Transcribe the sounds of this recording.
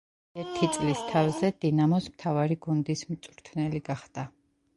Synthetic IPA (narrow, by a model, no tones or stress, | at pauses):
ɛɾt̪ʰit̪sʼlist̪ʰavzɛd̪̥inamɔsmt̪ʰavaɾiɡund̪ismt̪sʼɾt̪ʰnɛliɡaχd̪̥a